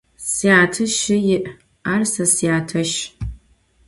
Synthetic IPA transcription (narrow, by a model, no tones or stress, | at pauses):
siaːtʰɨʃɪjɪʔ | aːrsɐsijaːtʰɐʃ